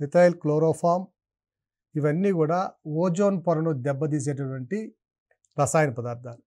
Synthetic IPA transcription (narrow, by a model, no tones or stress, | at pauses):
mit̪aːjilkloːɾoːpʰaːm | iʋɐnːiːɡuːɽaːoːd͡ʒoːnpɐɾɐnud̪ɛbːɐd̪̬iːs̬eːʈɐʈʋɐɳʈi | ɾɐsaːjɐnipɐd̪aːɾd̪ʰʱaːlu